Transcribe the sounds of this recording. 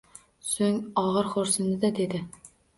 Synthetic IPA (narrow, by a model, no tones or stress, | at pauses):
sɵŋɒʁɤɾχoɾsɨ̆nd̪ɪd̪æd̪ed̪ɪ